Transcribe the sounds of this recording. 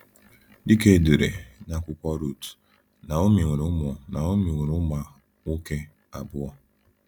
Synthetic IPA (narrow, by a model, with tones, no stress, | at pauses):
dɪ˦ke˦˨de˨ɾḛ˨na˨kʷʊ˨kʷɔ˦ɾu˨t | na˨o˦mi˨ŋe˨ɾʊ˦mɔ˨na˨o˦mi˨ŋʷe˨ɾʊ˦ma˦ | o˦ke˦ | a˨bʊ˦ɔ˦